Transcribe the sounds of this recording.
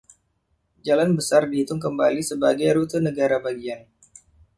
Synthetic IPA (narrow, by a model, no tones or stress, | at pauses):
d͡ʒalanbəsardiit̪ʊŋkəmbalisəbaɡajɾut̪ənəɡaɾabaɡian